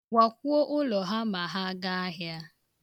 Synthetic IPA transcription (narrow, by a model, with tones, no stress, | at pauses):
wʷa˨k̚ʷu˦o˦ʔʊ˦lɔ˨ɦa˦ma˨ɦa˦ɡa˦a˦ɦja˦